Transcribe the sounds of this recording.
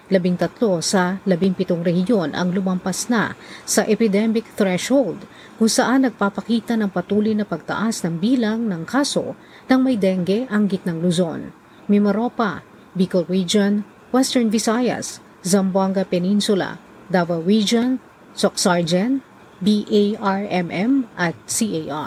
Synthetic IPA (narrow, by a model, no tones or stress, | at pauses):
lɐbiŋt̪ɐt̪lo̞sɐlɐbɪŋpɪt̪oŋɾɛhɪjo̞nʔɐ̰ŋlʊmɐmpɐsna̰sɐʔɛpɪd̪ɛmɪk̚θɹɛʃhowld̪̚ | kʊŋsɐʔanːɐɡ̚papɐkiːt̪ɐnɐŋpɐt̪uːlojnɐpɐɡ̚t̪ɐ̰ʔasnɐŋbiːlɐŋnɐŋkʰaːso̞̰ | nɐŋmɐjd̪ɛŋɡɛʔɐŋɡɪt̪̚nɐŋlʊzo̞n | mɪmɐɾo̞pa | bikowid͡ʒɐn | wɛst̪ɛɹnvɪsajɐ̰s | zɐmbwaŋɡɐpɛninsʊla̰ | d̪avɐwid͡ʒɐn | soksaɹd͡ʒɛn | biʔejaɹʔɛmʔɛmʔɐt̪̚siʔejʔa̰